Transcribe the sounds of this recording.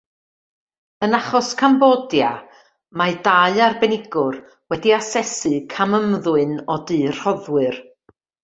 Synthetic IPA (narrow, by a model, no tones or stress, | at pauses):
ənaχɔskʰambɔdja | madaɨarbɛnɪɡʊr | wɛdiasɛsɨkʰaməmðʊɨnɔdɨr̥hɔðwɨr